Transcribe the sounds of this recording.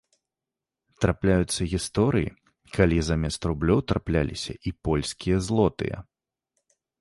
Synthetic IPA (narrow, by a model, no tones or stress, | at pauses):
t̪ɾaplʲajut̪sːɐɣʲist̪ɔɾɨjḭ | kalʲizamʲɛst̪ɾublʲɔwt̪ɾaplʲa̰lʲisʲɐ̰ʔipɔlʲsʲkʲijɐzlˠɔt̪ɨ̰jɐ̰